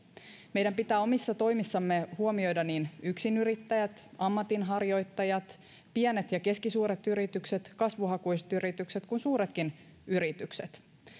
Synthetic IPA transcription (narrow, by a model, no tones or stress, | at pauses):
me̞jdæmpit̪æːo̞misːɑt̪o̞jmisːɑmːehuomio̞jdɑniːnyksinyɾit̪ːæjæt̪ɑmːɑt̪inɦɑrjo̞jt̪ːɑjɑt̪ | piæne̞t̪jɑke̞skisuːɾet̪yɾit̪ykset̪kɑsʋuɦɑkujst̪yɾit̪ykset̪kunsuːɾet̪kin | yɾit̪ykset̪